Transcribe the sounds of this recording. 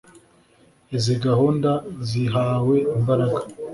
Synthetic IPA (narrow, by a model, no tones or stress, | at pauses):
iziɡahuːndaziɦaːwe̞imbaɾaɡḁ